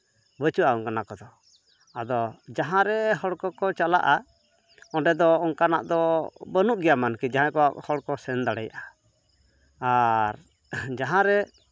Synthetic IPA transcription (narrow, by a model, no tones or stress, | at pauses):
bət͡ʃuaɔŋkanakɔd̪ɔ | ad̪ɔd͡ʒaɦãɾɛɦɔɽkɔkɔt͡ʃala̰ʔa | ɔɖɛd̪ɔɔŋkanaʔd̪ɔbənuʔ̚ɡɛjamankɛd͡ʒaɦãkɔwaʔhɔɽkɔsɛnd̪aɽɛ̰jaʔa | aɾ | d͡ʒaɦãɾɛ